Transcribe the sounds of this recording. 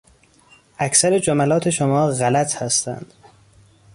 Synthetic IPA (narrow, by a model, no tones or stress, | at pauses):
ʔæcsæɾed͡ʒomælɒːt̪ʰe̞ʃomɒːɣælæt̪ʰhæst̪æ̰nd̪̥